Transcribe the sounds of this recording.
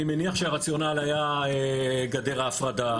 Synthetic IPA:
imeniaχʃeaʁat͡sjo̞nalajaeɡade̞ʁaːfʁada

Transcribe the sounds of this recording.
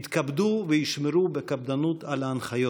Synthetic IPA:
t̪kabd̪uvejiʃmeɾubekab̚d̪anut̪alaanχajo

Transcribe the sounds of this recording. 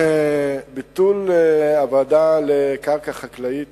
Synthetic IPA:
bit̪ulavad̪alekaʁkaχaklait̪

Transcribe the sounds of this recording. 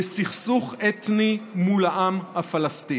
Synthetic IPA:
esiχsuχɛt̪nimulaʔamhafalasti

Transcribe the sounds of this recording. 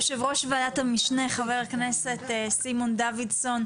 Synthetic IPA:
ʃevʁo̞ʃvaadat̪hamiʃneχaveʁakneset̪simond̪avidso̞n

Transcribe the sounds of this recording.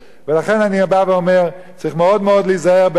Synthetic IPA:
velaχɛnaniabaveɔmɛʁ | t͡sʁiχmɛɔdmɔdlizaɛʁb

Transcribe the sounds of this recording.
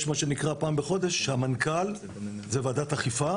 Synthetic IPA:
ʃmaʃe̞nikʁapaːmbeχo̞d̪eʃːehamankal | zevaːd̪at̪aχifa

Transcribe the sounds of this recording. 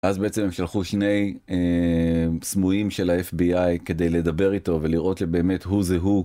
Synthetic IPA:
azbeet͡se̞memʃalχuʃne̞je | smujimʃe̞laefbiajke̞d̪e̞jle̞dɐbe̞ʁito̞ve̞liʁʔo̞tʃebe̞ːme̞tɦuzeɦu

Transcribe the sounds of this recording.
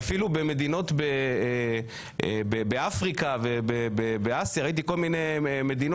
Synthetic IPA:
afilube̞me̞d̪ino̞t̪bee | bebeafʁikavebebebeasjaʁait̪iko̞lmine̞jmed̪in

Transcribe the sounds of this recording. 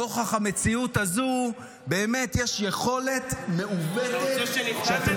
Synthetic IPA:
oχaχame̞t͡siutazu | beːme̞t̪jeʃje̞χo̞le̞t̪me̞ʔuved̪eʃat̪e

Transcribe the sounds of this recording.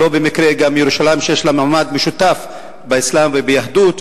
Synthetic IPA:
o̞bemikɾeɡamjeɾuʃalajmʃejeʃlamaʕmad̪meʃut̪af | beislamvebejaħd̪ut̪

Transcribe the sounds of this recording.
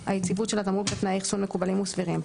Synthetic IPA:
ajet͡sivutʃelat̪amudlet̪naiχsunme̞kubalimusviʁim

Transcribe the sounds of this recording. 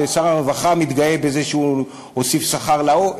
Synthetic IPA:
esaʁaʁvaχamit̪ɡaje̞be̞zeʃeu | osifsaχaʁlao

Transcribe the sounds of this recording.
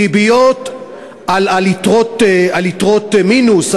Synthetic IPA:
ibijot | alalitʁot̪alit̪ʁot̪minus

